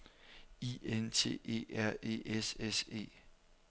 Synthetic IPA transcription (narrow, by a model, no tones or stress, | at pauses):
ient͡sʰe̝̰ːe̝̰ːæɐ̰e̝̰ʔesese̝̰ː